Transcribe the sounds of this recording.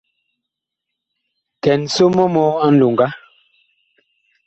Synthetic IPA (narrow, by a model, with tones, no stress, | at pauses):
tɛ˨n˨so˦mɔ˦mɔ˦a˦n̩˦˨du˨ŋɡa˦